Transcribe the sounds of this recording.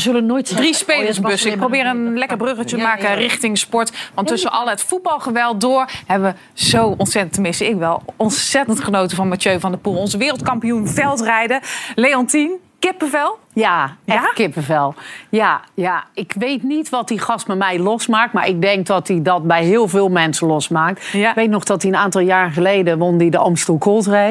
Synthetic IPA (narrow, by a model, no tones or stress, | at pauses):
zølənoːjtdrispeləsbøsəɪk̚prowbɪːɾənlɛkərbrøɣət͡ʃətəmaːkərɪχtɪŋspɔɹtʋɑnttːøsənʔɔlˠəətfut̚bɑlˠχəʋɛlˠt̚dʊːɹhɛbəʋə | z̥owɔntsɛtəntəmɪstəɪkʋɛlˠɔnsɛtəntχənowtəfɔnmatjøɥvɔndəpulˠɔnzəʋɪːrəlˠt̚kɑmpijunvɛlˠtrɛjdəleɔntinkɪpəvɛlˠ | jaɛkɪpəvɛlˠjajaɪkʋejtnitʋɔt̚diχɑst̚bɛmɛjlɔsmaːk̚tma̰ɹʔɪk̚dɛŋk̚dɔtidɔt̚bɛjɦɪːlˠvɪːlˠmɛnsəlɔsmaːk̚tɪkʋejtnɔχdɔtiənaːntɑlˠjaːrənχəlejdəʋɔndidəɔmstukʰolˠtre